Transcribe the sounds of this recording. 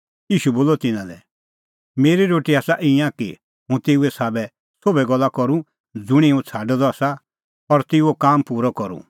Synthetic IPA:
iːʃuboːlɔt̪ɪnãlɛ | meːɾiɾoːʈiaːsaʔɪjãkḭ | ɦũt̪eːuɛsaːbɛ | sobɛɡɔlːakɔɾũ | d͡zʊɽ̃iũt͡sʰaːɖɔd̪ɔaːsa | ɔɾt̪eːuokaːmpuːɾɔkɔɾṵ̃

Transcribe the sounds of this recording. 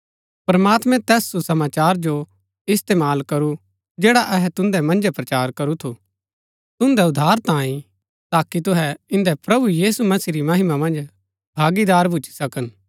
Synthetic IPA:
pɐɾmaːt̪mɛ̃t̪ɛːsːusɐmaːt͡ʃaːɾd͡ʒo | ɪst̪eːmaːlkɐɾu | d͡ʒeːɽaʔɛɦɛt̪ʊ̃nd̪ɛmɐ̃nd͡ʒɛpɾɐt͡ʃaːɾkɐɾut̪ʰu | t̪ʊ̃nd̪ɛʊd̪ʱːaːɾt̪ãːĩ | t̪aːkit̪ʊɦɛɪ̃nd̪ɛpɾɐbujiːsumɐsiɾimɐɦɪmamɐ̃nd͡ʒ | bʱaːɡid̪aːɾbʱʊt͡ʃi̥sɐkən

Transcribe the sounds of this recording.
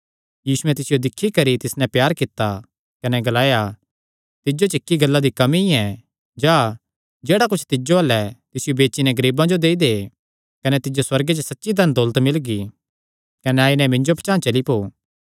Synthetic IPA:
jiːsʊɛ̃t̪ɪsɪjod̪ɪkʰːikɐɾit̪ɪsnɛ̃pjaːɾkɪt̪ːa | kɐnɛɡɐlaːja | t̪ɪd͡ʒot͡ʃɪkːiɡɐlːad̪ikɐmiɛ̃ | d͡ʒaː | d͡ʒeːɽak̬ʊt͡ʃʰt̪ɪd͡ʒoɐlːɛt̪ɪsɪjobeːt͡ʃinɛ̃ɡɐɾiːbãd͡ʒod̪eːid̪e | kɐnɛt̪ɪd͡ʒoswɐɾɡet͡ʃsɐtːʃid̪ʱɐnd̪ɔːlət̪mɪlɡi | kɐnɛaːinɛ̃mɪ̃ɲd͡ʒopʰt͡ʃãːt͡ʃɐlipoː

